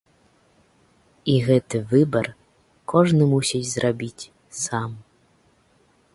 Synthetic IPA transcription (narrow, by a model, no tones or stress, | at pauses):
iɣɛt̪ɨvɨbɐr | kɔʐnɨmusʲit͡sʲzrʔabʲit͡sʲ | sam